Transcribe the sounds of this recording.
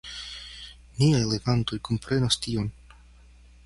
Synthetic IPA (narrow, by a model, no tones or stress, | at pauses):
niajleɡant̪o̞jkompɾe̞nast̪io̞n